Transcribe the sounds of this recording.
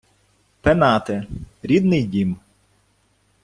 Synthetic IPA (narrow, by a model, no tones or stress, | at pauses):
penɑt̪ɪɾʲid̪nɪjdʲim